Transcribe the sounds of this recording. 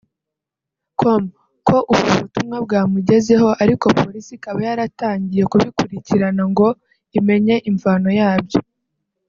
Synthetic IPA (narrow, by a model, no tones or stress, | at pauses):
kʰom | kʰo̞ʔuβɡuβutumŋabɡaːmuɟe̞ze̞ɦo̞ʔaɾiko̞po̞ɾisikaβajaɾataːɲɟije̞kuβikuɾiciɾanaŋɡo̞ | ime̞ɲe̞ʔiɱvano̞jaːβjo̞